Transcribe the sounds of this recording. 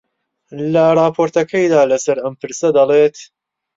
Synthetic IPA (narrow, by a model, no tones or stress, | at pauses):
lɐrˤɑːpʰoːɾt̪ɐkʰɐjd̪aːlɐsɐɾɐmpʰɨɾsɐd̪ɐlˠeːt̪